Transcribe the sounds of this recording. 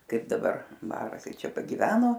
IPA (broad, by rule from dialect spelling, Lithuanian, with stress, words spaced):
ˈkɐɪp dɐˈbɐr ˈbɑːrɐ ˈkɐɪ ˈt͡ʃʲɛ pɐɡʲɪˈʋʲæːnoː